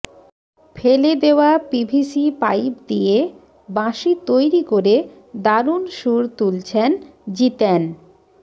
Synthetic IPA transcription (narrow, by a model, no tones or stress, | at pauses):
fʰeled̪eoapibʱisipajbd̪ie | bãʃit̪ojɾikoɾe | d̪aɾunʃuɾt̪ult͡ɕʰend͡ʑit̪en